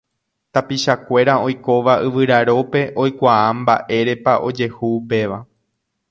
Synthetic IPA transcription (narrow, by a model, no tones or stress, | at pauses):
t̪apiʃakʷe̞ɾao̞jko̞ʋaʔɨʋɨɾaɾo̞pe̞ʔo̞jkʷaambaʔe̞ɾe̞paʔo̞d͡ʒe̞huːpe̞ʋa